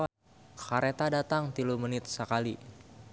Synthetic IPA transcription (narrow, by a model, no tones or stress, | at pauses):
kaɾet̪adat̪aŋt̪ilumənɪt̪̚səkali